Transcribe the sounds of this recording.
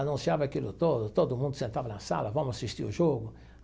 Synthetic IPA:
anunsjavaɛkːilːut̪ɔd̪ut̪ɔd̪umund̪usiɛnt̪avanasa̰lavamuasist̪ḭṵd͡ʒɔɡʊ

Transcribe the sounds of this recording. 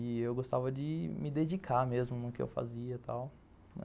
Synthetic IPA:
ɪewɡost̪avɐd͡ʒɪmɪd̪ed͡ʒikʰamezmʊnʊkɪḛwfa̰ziɐt̪a̰w | nɛ̰

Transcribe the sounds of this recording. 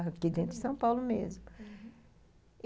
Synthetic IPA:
ɦkid̪ẽnt̪ɾd͡ʒɪsɐ̃w̃pawlʊmḛzmʊ

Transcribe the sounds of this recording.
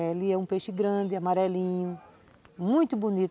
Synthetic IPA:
elɪɛũpeʃɪɡɾɐ̃d̪ɪamaɾɛlĩɲʊ | mũj̃t̪ʊbunit̪

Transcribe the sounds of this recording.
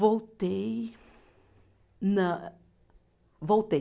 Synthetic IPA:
vowt̪ej | nɐ | vowt̪e

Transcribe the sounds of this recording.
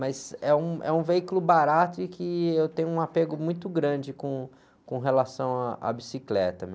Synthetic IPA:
mɐzɛũʔɛ̰ũveikʊlʊbaɾat̪ʊɪkɪewt̪ẽɲʊũapeɡʊmũj̃t̪ʊɡɾɐ̃d͡ʒɪkõ | kõɦelasɐ̃w̃aa̰bisiklɛ̰t̪ɐme

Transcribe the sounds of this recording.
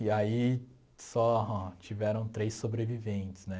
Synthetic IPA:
iai | sɔɦɔ̃t͡ʃivɛɾɐ̃w̃t̪ɾejsːobɾevivẽt͡ʃɪ̥snɛ

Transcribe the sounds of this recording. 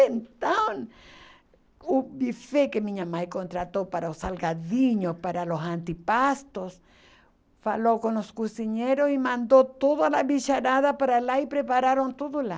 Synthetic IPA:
ent̪an | ubifekemiɲamajkont̪ɾat̪opaɾaosalɡaðiɲopaɾalosant̪ipast̪os | falokonoskusiɲeɾosimãnd̪ot̪oðoalaβiʃaɾaðapaɾalaipɾepaɾaɾont̪oðola

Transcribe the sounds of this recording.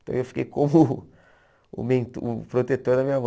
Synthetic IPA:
t̪ɐ̰̃w̃ewfi̥kḛjkõmʊ | ṵmẽnt̪upɾot̪et̪oɾd̪ɐmĩɲɐvɔ

